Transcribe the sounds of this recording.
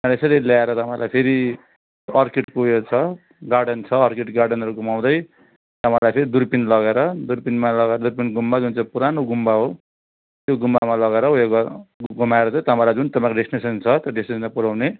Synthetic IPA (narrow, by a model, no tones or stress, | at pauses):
t̪ãlesʌɾeljaeɾʌt̪ʌpãj̃lʔa̰jpʰeɾi | ʌrkeʈkojot͡sʰʌ | ɡarɖʌnt͡sʰʌːrkeʈɡarɖʌnʌɾuɡumaw̃d̪ʌj | t̪ʌpãlajpʰeɾid̪uɾpinlʌɡeɾʌd̪urpinmalʌɡaeɾʌd̪urpinɡumːad͡zunt͡saĩpuɾanoɡumbaɦo | t̪joɡumːamalʌɡaeɾʌɦujeɡɡumaeɾʌt͡sãĩt̪ʌpãlajd͡zunt̪ʌpãkoɖesnesʌnt͡sʰʌt̪joɖesnesʌnmapuɾaw̃ne